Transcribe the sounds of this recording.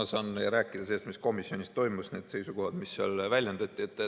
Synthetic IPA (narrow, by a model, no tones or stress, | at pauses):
sɑːnːeɾæːkːˑid̪̥ɑseːst̪misko̞misːionʲist̪o̞jmusne̞ːd̪se̞jsuko̞hɑd̪̥misːeɑlvælʲjɑnd̪ɑt̪ʲːˑiet̪ːˑ